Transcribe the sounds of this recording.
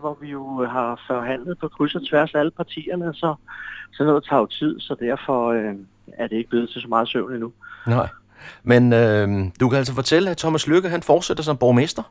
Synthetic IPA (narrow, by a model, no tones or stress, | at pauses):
ʋɒʋijo̝ɦɑ̈fɒɦæn̰ləð̩ˠpʰɒ̽kʰʁysɐt͡sʰʋæɐsæləpʰɑ̈t͡sʰḭːɐnəsɒ̽sɒnɔ̽ːðˠɐt͡sʰɑ̈ʊt͡sʰið̞̰ˠsɒ̽d̥æɐ̰fɒ̽ø | æɐd̥eeɡ̥̚b̥le̝ːð̩ˠt͡sʰesɒmɑ̈ːð̞̩ˠsøʊ̰ninunɑ̈ɪ̰ | menød̥ukʰææls̬fɒ̽t͡sʰel̰əæt͡sʰɒ̽mæsløɡ̥ɐɦænfɒːd̥sed̥ɐs̬ɒ̽mb̥ɒme̝sd̥ɐ